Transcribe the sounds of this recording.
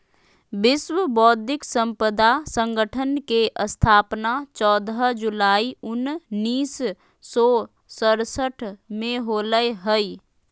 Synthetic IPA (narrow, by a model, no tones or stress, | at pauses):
bɪswəbɔːd̪ʱɪksə̃mpəd̪asə̃ŋɡəʈʰənkeʔəst̪ʰaːpnat͡ʃɔːd̪əd͡ʒʊlaːiʊnnːiːsː | ɔ | səɾsəʈʰmẽɦoːləeɦəi